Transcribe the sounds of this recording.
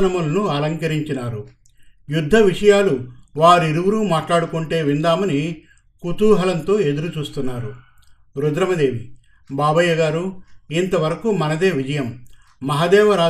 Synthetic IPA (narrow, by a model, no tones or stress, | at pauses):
nɐmulɐnuɐlɐŋkɐɾiɲt͡ʃinaːɾu | jud̪ʱːɐʋiʂɐjaːluʋaːɾuiɾuʋuɾuːmaːʈlaːɽukuɳʈe̞ːʋind̪aːmɐni | kut̪uːɦɐlɐnt̪o̞ːe̞d̪uɾut͡ʃuːst̪unːaːɾu | ɾud̪ɾɐmɐd̪e̞ːʋi | baːbɐjɐɡaːɾuint̪ɐʋɐɾɐkumɐnɐd̪e̞ːʋid͡ʒɐjɐmː | ɐɦad̪ɛːʋɐɾaː